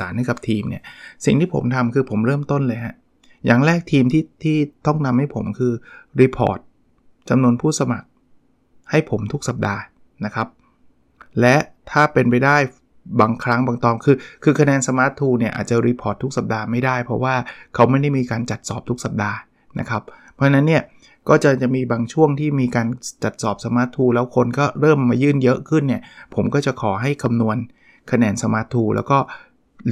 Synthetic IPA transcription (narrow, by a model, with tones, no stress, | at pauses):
aː˩˦nha˥˩ka˨˩p̚t̪ʰiː˧mni˥˩ɐsi˨˩ŋt̪iː˥˩pʰo̰˩˦mt̪ʰa˧mkʰɯː˧pʰo˩˦mɾɤː˥˩mt̪o˥˩nlɤː˧jɦa˦˥ | ja̰ː˨˩ŋɾɛː˥˩k̚t̪ʰiː˧mt̪ʰiː˥˩t̪ʰiː˥˩t̪ɔ˥˩ŋna˧mha˥˩jpʰo˩˦mkʰɯː˧ɾiː˧pʰɔ̰ː˨˩t̪̚ | t͡ɕa˧mnu˧ənpʰuː˥˩sa˧ma˨˩k̚ | ha˥˩jpʰo˩˦mt̪ʰu˦˥ksa˨˩p̚daː˧ | na˦˥kʰa˦˥p̚ | lɛ˦˥ʔt̪ʰaː˥˩pe˧npa˧jdaː˥˩j | baː˧ŋkʰɾa˦˥ŋbaː˧ŋt̪ɔː˧˩mkʰɯː˧kʰɯː˧kʰa˧nɛː˧nsa˧maː˦˥t̪ʰːuː˧ni˥˩ɐʔa̰ː˨˩t̪̚t͡ɕa˨˩ɾiː˦˥pʰɔː˨˥˩t̪ʰːu˦˥k̚sa˨˩p̚daː˧ma˥˩jdaː˥˩jpʰɔ̰˦˥waː˥˩kʰa˦˥wma˥˩jda˥˩jmiː˧kaː˧nt͡ɕa˨˩t̪̚sɔː˨˩p̚t̪ʰu˦˥k̚sa˨˩p̚daː˧ | na̰˦˥kʰa˦˥ppʰːɔ˦˥t͡ɕʰa˧na˦˥nːi˥˩ɐ | kɔː˥˩t͡ɕa˨˩t͡ɕa˨˩ʔmiː˧baː˧ŋt͡ɕʰu˥˩əŋt̪ʰiː˥˩miː˧kaː˧nt͡ɕa˨˩t̪̚sɔː˨˩p̚sa˧maː˦˥t̪ʰːuː˧lɛː˦˥wkʰo˧nkɔː˥˩ɾɤː˥˩mːaː˧jɯː˥˩njɤ˦˥ʔkʰɯ˥˩nːi˥˩ɐpʰo˩˦mkɔː˥˩t͡ɕa˨˩ʔkʰɔː˩˦ɦa˥˩jkʰa˧mnu˧ən | kʰa˧nɛː˧nsa˧maː˦˥t̪ʰːuː˧lɛ̰ː˦˥wkɔː˥˩